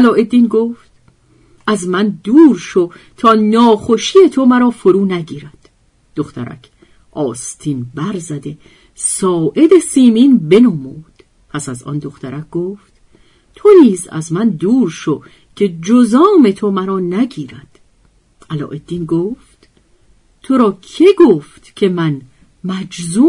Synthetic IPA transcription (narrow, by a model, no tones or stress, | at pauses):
ʔælɒːe̞d̪ːiːnɡoːft̪ | ʔæzmænd̪uːɾʃot̪ʰɒːnɒːxo̞ʃiːjet̪ʰo̞mæɾɒːfoɾuːnæɟiːɾæd̪̥ | d̪̥oxt̪ʰæ̰ɾæ̰cʰ | ʔɒːst̪ʰiːnbæɾzæd̪e̞ | sɒːʔe̞d̪e̞siːmiːnbe̞nɒmuːd̪̥ | pʰæsæzɒ̰ːnd̪oχt̪ʰæɾæk̚ɡ̥oːft̪ | t̪ʰo̞niːzæ̰zmænd̪uːɾʃo | cʰe̞d͡ʒozɒːme̞t̪ʰo̞mæɾɒːnæɟiːɾæd̪̥ | ʔælɒ̰ːʔe̞d̪ːiːnɡoːft̪ʰ | o̞ɾɒːcʰe̞ɡoːft̪cʰe̞mæn | mæd͡ʒzu